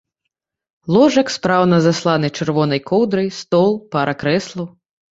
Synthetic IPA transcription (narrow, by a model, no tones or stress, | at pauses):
lˠɔʐɐkspɾawnɐzaslˠanɨt͡ʂɛɾvɔnɐjkɔwd̪ɾɐjst̪ɔlˠpɐɾʔɐkɾɛslˠɐw